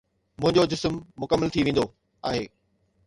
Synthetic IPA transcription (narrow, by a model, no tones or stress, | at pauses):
mʊ̃ɦɪ̃ɲd͡ʑod͡ʑɪsmːʊkəmːəlt̪ʰiʋẽːn̆d̪o | aːɦeː